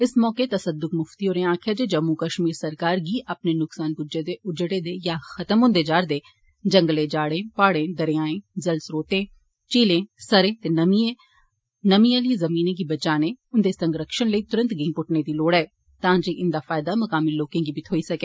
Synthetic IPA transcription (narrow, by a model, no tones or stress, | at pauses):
ɪsmɔːket̪ɐsəd̪ʊkmʊft̪iɦoːɾẽãːkʰjad͡ʒed͡ʒɐmːukəʃmiːɾsɐɾkaːɾɡiːʔɐpnenʊksaːnkʊd͡ʒed̪eʊd͡ʒɽed̪ejaːxɐt̪əmɦʊ̃ːnd̪ed͡ʒaːɾd̪eː | d͡ʒəŋɡəlẽd͡ʒaːɽẽːpaːɽẽːd̪əɾɪjaːẽːd͡ʒɐlsɾoːt̪ẽː | t͡ʃiːlẽːsəɾẽːt̪enɐmiẽ | nɐmijãliezɐmiːnẽk̬ibɐt͡ʃaːneʊnd̪esə̃ŋɡɾəkʃənləit̪ʊɾə̃nt̪ɡɪːŋpʊʈned̪iloːɽɛː | t̪ãːd͡ʒeʔɪnd̪aːfaːjɪd̪amɐkaːmiloːkẽːɡibʱit̪ʰoːisɐkeː